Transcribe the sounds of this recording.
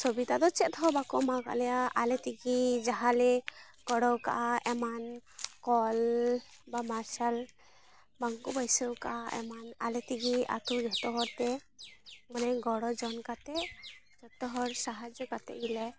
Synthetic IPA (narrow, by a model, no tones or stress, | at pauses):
sobit̪ad̪ɔt͡ʃɛt̪̚t̪ʰɔbakɔmaɡa̰ʔlɛjaʔalɛt̪iɡid͡ʒaɦalɛ | ɡ̥ɔɽɔwka̰ʔaʔɛmankɔlbamaɾsal | baŋkubajsəwkaʔaʔɛ̰manalɛt̪iɡiʔa̰t̪ud͡ʒɔt̪ɔɦɔɾt̪ɛ | manɛɡɔɽɔd͡ʒɔnkat̪ɛ | d͡ʒɔt̪ɔɦɔɾsaɦad͡ʒjɔkat̪ɛ̰ʔɡilɛ